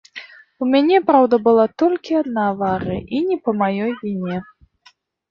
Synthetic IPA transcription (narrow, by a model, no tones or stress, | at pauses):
umʲanʲɛpɾawd̪ɐbɨlˠat̪ɔlʲkʲiad̪navaɾɨ̰ʔinʲɛpɐmajɔjvʲinʲɛ